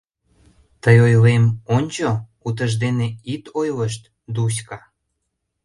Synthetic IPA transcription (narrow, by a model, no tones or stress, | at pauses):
t̪əjojlemonʲt͡ɕo | ut̪əʒd̪eneit̪ojləʃ̬t̪ | d̪us̬kɑ